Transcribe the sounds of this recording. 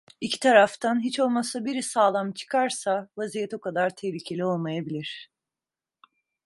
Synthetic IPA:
icʰi̥t̪ʰaɾaft̪ʰanɦit͡ʃo̞lˠmasabiɾisaːlˠamt͡ʃʰɯ̥kʰaɾsavazijɛt̪okʰad̪aɾt̪ʰehlʲiːcʰe̞lʲio̞lˠmajabilʲiɾ̥

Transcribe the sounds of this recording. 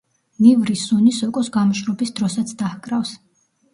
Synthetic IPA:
mivɾisunisɔkʼɔsɡamɔʃɾɔbisd̪ɾɔsat̪sʰd̪ahkʼɾafs

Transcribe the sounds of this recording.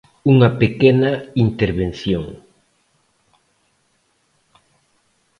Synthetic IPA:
uŋɐpekɛnɐint̪eɾβen̟θjoŋ

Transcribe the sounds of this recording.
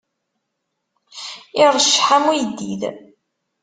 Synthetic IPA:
iɾˤəʃːħamujd̪ːḭð

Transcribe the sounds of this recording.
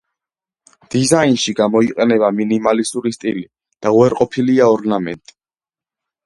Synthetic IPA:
d̪̥izainʃiɡamɔiqʼɛnɛbaminimalist̪ʼuɾist̪ʼili | d̪̥auɛɾqʼɔpʰiliaɔɾnamɛ̰nt̪ʼi̥

